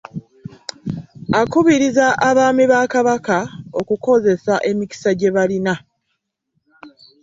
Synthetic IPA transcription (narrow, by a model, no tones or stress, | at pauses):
akuβiɾizaʔaβaːmiβaːkaβakao̞kuko̞ze̞saʔe̞mici̥saɟe̞βalina